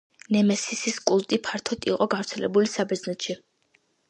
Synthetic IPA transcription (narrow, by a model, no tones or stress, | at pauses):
nɛmɛsisiskʼulˠt̪ʼipʰaɾt̪ʰɔt̪ʰʼiqʼɔɡavɾt̪sʰɛlɛ̰bulisabɛznɛt̪ʃi